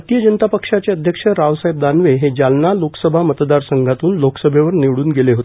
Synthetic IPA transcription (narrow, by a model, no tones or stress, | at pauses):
t̪ijəd͡ʑənt̪apəkʂat͡ɕeəd̪ʱjəkʂəɾaʋsaeb̚d̪anʋeɦed͡ʑalnaloksəbʱamət̪d̪aɾsəŋɡʱat̪uːnloksəbʱeʋəɾniʋɽuːnɡeleɦot̪e